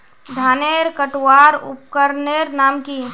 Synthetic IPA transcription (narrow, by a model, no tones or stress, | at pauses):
d̪ʱaːneːɾkəʈwaːɾʊ̰p̚kəɾneːɾnaːmki